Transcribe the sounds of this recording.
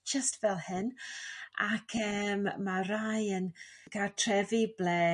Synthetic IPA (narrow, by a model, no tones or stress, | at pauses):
d͡ʒəstvɛlˠhɪnʔa̰kʰɛmːaɾajənɡ̥atʰrɛviblɛ